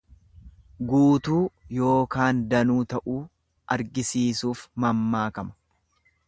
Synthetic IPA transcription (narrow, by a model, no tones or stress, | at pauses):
ɡuːt̪uːjo̞ːkaːnd̪ɐnuːt̪ɐʔuː | ʔɐɾɡɪsiːsuːfmɐmːaːkɐmɐ̥